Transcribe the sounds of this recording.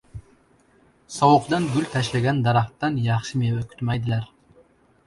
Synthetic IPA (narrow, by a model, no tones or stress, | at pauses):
sɒwʊqd̪ɑnɡʲylʲt̪ʰæʃlaɡʲænd̪ɑɾɑχt̪ːɑnjɑχʃɪmewøkʰʲy̥t̪mæjd̪ɪlæɾ